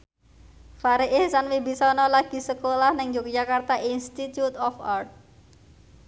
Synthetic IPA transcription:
faɾeʔɪhsanwibisɔnɔlaɡ̥i̤səkolahnɪŋd͡ʒokd͡ʒakart̪aʔinst̪it̪jut̪ɔfart̪̚

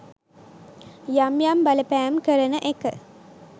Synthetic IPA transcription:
jamjambɐləpæːmkəɾənəʔekə

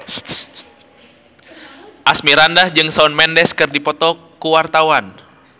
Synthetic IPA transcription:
ʔasmiɾandahd͡ʒɨŋsaɔnmɛndɛskɨrdipɔt̪ɔ | kuwart̪awan

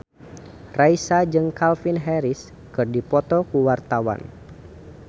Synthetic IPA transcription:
raisad͡ʒɨŋkalfinɦɛɾɪs | kɨrdipɔt̪ɔkuwart̪awa̰n

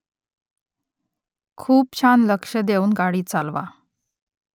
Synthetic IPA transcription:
kʰuːpɕʰanləkʂəd̪euːnɡaɽiːt͡salʋa̰

